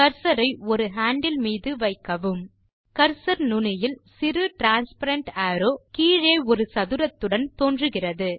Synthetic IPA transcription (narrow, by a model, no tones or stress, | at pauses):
kɐɾsɐɾɐɪɔɾɯɦaːɳɖɪlmiːðɯʋɐɪkːɐʋɯm | kɐɾsɐɾnʊnɪjɪlsɪrɯʈɾaːnspɐɾɐɳʈaːɾoːkiːɻeːɔɾɯsɐðɯɾɐt̪ːɯɽɐnt̪oːndrɯɣɪrɐðɯ